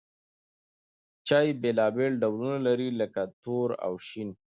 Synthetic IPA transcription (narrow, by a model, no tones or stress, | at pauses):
t͡ʃɑːjbelɑbeɭɖawlunalaɾiləkat̪oɾa̰wʃin